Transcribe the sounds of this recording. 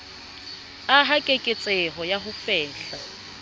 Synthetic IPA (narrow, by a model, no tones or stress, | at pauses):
aɦakʼekʼɪt͡sʼɛɦɔjaɦʊfɛːɬa